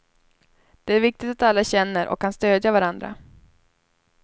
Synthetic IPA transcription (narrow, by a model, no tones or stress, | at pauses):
d̪̥ɛæɾvɪk̚t̪ɪt̪at̪alːaɕɛnːəɾʔɔ̰kʰːanst̪øːd̪javaɾand̪ɾa̰